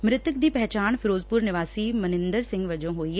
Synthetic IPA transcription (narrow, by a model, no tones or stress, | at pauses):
mɾɪt̪əkd̪iːpɛɦt͡ʃaːnfʰɪɾoːzpʊɾnɪʋaːsiːmənɪ̃nd̪əɾsɪ̃ŋɡʋəd͡ʒõːɦoːiːɦ